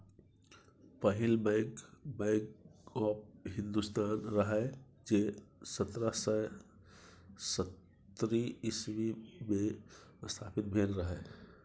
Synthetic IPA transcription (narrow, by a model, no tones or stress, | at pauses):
pəɦilbəɪɡbəɪɡɔp̚ɦĩnd̪ust̪aːnɾəɦɛ | d͡ʒesət̪ɾəsə | sət̪ | ɾiismime | st̪ʰaːpit̪̚bʱenɾəɦɛ